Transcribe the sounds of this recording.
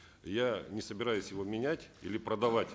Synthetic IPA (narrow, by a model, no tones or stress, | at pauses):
janʲɪsəbʲɪɾajʊsʲjɪvomʲɪnʲætʲḭlʲɪpɾəd̪ɐvatʲ